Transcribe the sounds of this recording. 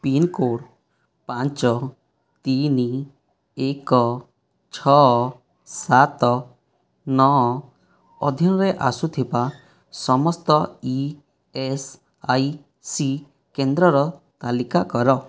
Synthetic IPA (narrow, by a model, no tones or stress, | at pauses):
pinkoɽ | pant͡ʃɔ | t̪ini | ekɔ | t͡ʃʰɔ | sat̪ɔ | nɔɔ | ɔd̪ʱinɔɾeʔasut̪ʰiba | sɔmɔst̪ɔi | es | aj | si | kend̪ɾɔɾɔt̪alikakɔɾɔ